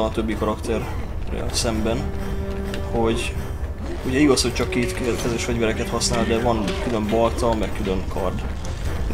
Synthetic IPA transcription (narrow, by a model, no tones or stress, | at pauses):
ɒɒt̪øbːikɒɾɒkt̪ɛrː | ɛ̰lsɛmbɛn | ho̞ɟ | uɟɛiɡɒsho̞c̚t͡ʃɒkːeːt̪kkɛzeʃfɛɟvɛɾɛkɛt̪hɒsnaːld̪ɛvɒnkylø̞mbɒlt̪ɒmɛkkylø̞ŋkʰɒrd̪